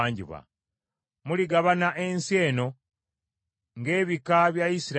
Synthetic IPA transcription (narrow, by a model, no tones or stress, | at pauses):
ɲɟḭβwa̰ | muliɡaβanaʔense̞ːno̞ | ŋɡe̞ːβikaβjaisiɾ